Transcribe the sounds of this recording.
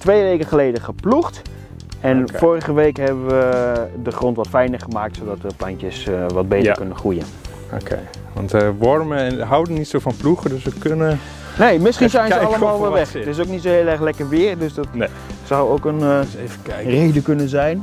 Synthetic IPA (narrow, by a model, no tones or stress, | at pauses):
tʋejʋejkəχəlejdəχəpluχt | ɛnfoːrəχəʋejkɦɛbəʋədəχrontʋɔtfɛjnərχəmaːktsodɔtərplantjəsʋɔd̚beːjtəkønəχujən | okʰḛ | ʋɑ̰ntəʋɔɹməɛnɦawdənːitsofɔnpluχədøsʋəkønə | nejmɪsχinzɛjnəɑləmaːlˠʋɪlʋɛχtɪsowknitsoheːlˠɛrlɛkərʋɪːrdøsdɔt | sawokənevərejdəkɵnənzɛjn